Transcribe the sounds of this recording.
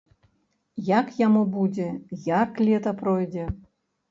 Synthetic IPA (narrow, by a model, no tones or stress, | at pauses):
jakjamubud͡zʲɛjaklʲɛt̪ɐpɾɔjd͡zʲɛ